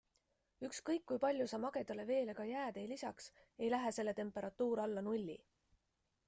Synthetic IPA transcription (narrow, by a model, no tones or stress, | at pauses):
ykskɤjkːujpɑlʲjusɑmɑɡ̥e̞d̪̥ɑle̞ve̞ːle̞ɡ̥ɑjæːd̪ejlisɑks | e̞jlæɦese̞lːe̞t̪e̞mpːˑe̞ɾɑt̪ːˑuːɾɑlːɑnulʲːḭ